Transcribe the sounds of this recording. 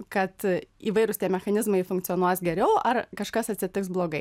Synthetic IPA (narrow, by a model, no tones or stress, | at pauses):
kɐt̪iːʋɐɪɾʊst̪ʲiɛmʲɛxɐnʲɪzmɐɪfʊ̃ŋkt̪sʲɪoːnuɔsɡʲɛɾʲɛʊʔɐrkɐʃkɐsɐt̪ʲsʲɪt̪ʲɪksblˠoːɡɐɪ